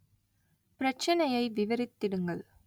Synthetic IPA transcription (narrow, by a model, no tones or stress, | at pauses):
pɪɾɐt͡ʃːɐnɐjɐɪʋɪʋɐɾɪt̪ːɪɽɯŋɡɐɭ